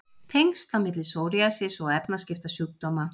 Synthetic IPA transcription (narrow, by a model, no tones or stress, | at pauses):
t̪ʰeŋst̪amɪt̪̬lɪsowɾiasɪsɔɣɛpnascɪft̪asyːk̚t̪ɔma